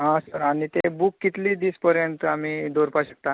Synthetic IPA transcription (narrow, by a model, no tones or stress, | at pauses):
ɦãsəɾaɽ̃it̪ebukːit̪liːd̪iːspəɾjənt̪əam̤iːd̪ʱoɾpaɕək̚t̪a